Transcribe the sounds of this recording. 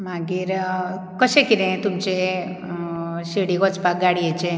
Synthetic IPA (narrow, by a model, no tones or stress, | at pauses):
maɡiɾ | kəʃekinẽt̪umt͡ʃe | ʃeɽikot͡ʃpakɡaɽijet͡ʃʰe